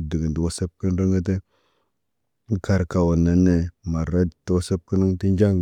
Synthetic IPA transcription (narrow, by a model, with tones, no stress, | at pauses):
də˨ɡə˨ndə˨wo˦sə˦p̚kə˦n˦ɾə˦ŋə˦t̬ə˦ | ka˨ɾka˨wo˨na˨ne˦ma˨ɾa˦two˦sə˦p̚kə˦nə˦ŋ˦ti˦nd͡ʒa˦ŋ